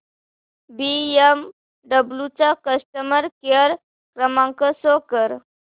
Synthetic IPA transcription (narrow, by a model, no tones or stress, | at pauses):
biem | ɖəblut͡sakəsʈəməɾkəɾ | kɾəmãŋkəsokəɾ